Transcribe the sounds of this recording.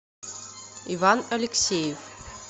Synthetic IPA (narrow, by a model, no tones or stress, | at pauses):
ivanɐlʲeksʲejef